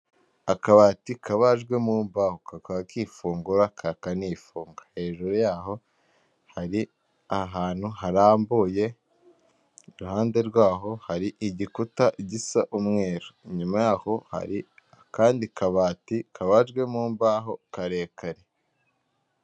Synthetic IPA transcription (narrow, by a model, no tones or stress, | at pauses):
akaβaːtikaβaʒɡwe̞muːmbahokakaakiːfuːŋɡuɾakʰakaniːfuːŋɡḁhe̞ːʒuɾujaːɦo̞ | haɾi | aɦaːn̥huhaɾaːmbuːje̞ | ɾuhaːnde̞ɾɡwaːɦo̞haɾiʔiɟikutaʔiɟisaʔumŋe̞ːɾoɲumajaːho̞ha̰ɾi | akaːndikaβaːtikʰaβaʒɡwe̞muːmbaɦo̞kaɾe̞ːkaɾe